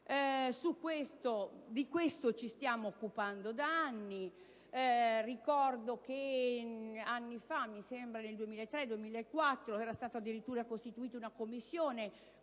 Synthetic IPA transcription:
sukːwest̪od̪ikwest̪ot͡ʃist̪jaːmoːkːupand̪od̪aanːi | rikɔrd̪ok̟e | anːifamːisembɾaneld̪uemiːlaet̪ːɾed̪uemiːlaekːwat̪ːɾoɛːɾast̪aːt̪oad̪ːiɾit̪ːuːɾakost̪it̪uiːt̪oaunakomːisːjoːne

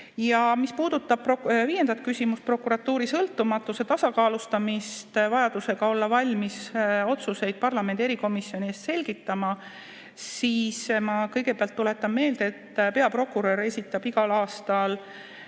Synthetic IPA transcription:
jɑmispuːd̪ut̪ːˑɑb̥̚roviːje̞nd̪̥ɑt̪̚kysʲimust̪̚pro̞kuɾɑt̪ːuːɾisɤlt̪ːˑumɑt̪ːˑuse̞t̪ɑsɑkɑːlust̪ɑmist̪vɑjɑd̪̥use̞ɡ̥ɑo̞lːɑvɑlʲmiso̞t̪suse̞jd̪̥̚pɑrlɑmene̞ɾiko̞misːjo̞nʲieːst̪se̞lʲɡ̥it̪ːˑɑmɑ | siːsmɑkɤjɡ̥e̞peɑlt̪ːule̞t̪ːˑɑnme̞ːld̪e̞t̪ːpe̞ɑpro̞kːuɾøɾe̞sʲit̪ːˑɑb̥iɡ̥ɑlɑːst̪ɑl

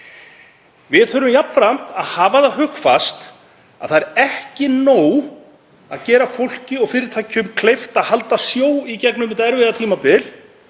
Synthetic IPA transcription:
vɪðθœɾʏmjapn̥fɾam̥t̪aðhaːvaðaɦʏxfast̪ | a̰ðθaɛɾɛhcɪnoːw | aðcɛːɾafowl̥cɪɔɣfɪːɾɪɾt̪ʰaːjcʰʏmkʰlejft̪aðhalt̪asjoːwicɛknʏmɪnt̪ɛɾvɪðat̪ʰiːmapɪl

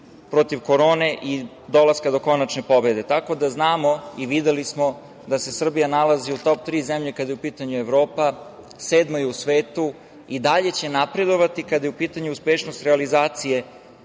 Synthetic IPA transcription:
pɾo̞t̪iʋko̞ɾo̞ːne̞ʔi | d̪o̞lˠaskad̪o̞ko̞nat͡ʃne̞po̞be̞d̪e̞t̪ako̞d̪aznaːmo̞iʋid̪elismo | d̪ase̞sr̩bijanalaziut̪o̞p̚t̪ɾiːzemʎe̞kad̪ajeupiːt̪aɲueʋɾo̞ːpa | seːd̪mojeusʋeːt̪u | id̪aʎe̞t͡ɕe̞napɾe̞d̪o̞ʋat̪ikad̪ajeupiːt̪aɲuuspeʃno̞st̪ɾealizaːt̪sije̞

